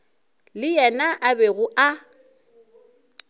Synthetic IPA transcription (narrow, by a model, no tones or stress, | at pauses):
lɪjɛnaʔabɛɣʊʔa